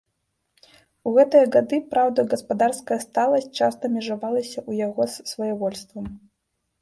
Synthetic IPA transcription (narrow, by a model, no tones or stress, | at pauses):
uɣɛt̪ɨjɐɣad̪ɨpɾawd̪ɐɡɐspad̪arskɐjɐst̪alˠɐs̚ʲt͡ʂast̪ɐmʲɛʐavalˠɐsʲɐʔujaɣɔssvɐjavɔlʲst̪vɐm